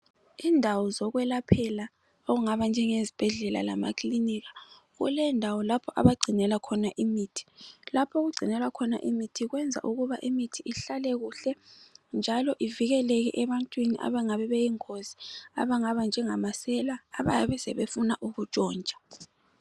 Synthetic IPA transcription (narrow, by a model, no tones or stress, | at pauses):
indʱawɔzɔɣwɛlapʰɛla | oɣuŋaβand͡ʒʱɛŋezib̥ʱɛɮɛla̰la̰ma̰kʰʼliniɣḁ | ɣṵlɛndʱawɔlapʰɔʔa̰βaɡ͡ǀʱinɛlakʰɔnaʔimiːtʰi̥lapʰɔɣuɡ͡ǀʱinɛlakʰɔna̰ʔimitʰiɣwɛnd͡zʱa̰ʔuɣuβaʔimitʰiʔiɬalɛɣuɬɛnd͡ʒʱalɔʔiviɣɛleɣḭʔɛβantʼwiniʔa̰βaŋaβɛβejiŋkʰozi̥a̰βaŋaβand͡ʒʱɛŋamasɛlaːβa̰jaβɛsɛβefunaʔuɣut͡ʃʼɔːnd͡ʒʱʼḁ